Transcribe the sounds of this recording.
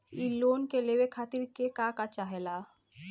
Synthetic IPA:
iloːnkelewekʰaːt̪ɪɾkekakat͡ʃaɦɛla

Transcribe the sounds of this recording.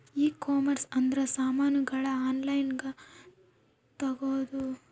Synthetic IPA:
iːkoːmɐɾsɐnd̪ɾesaːmaːnuɡɐɭɐaːnlɐjnɡe | t̪ɐɡoːd̪u

